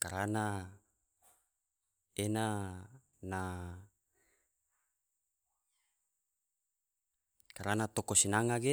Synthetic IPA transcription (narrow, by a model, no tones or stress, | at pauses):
kaɾana | ena | na | kaɾanat̪okosinaŋaɡe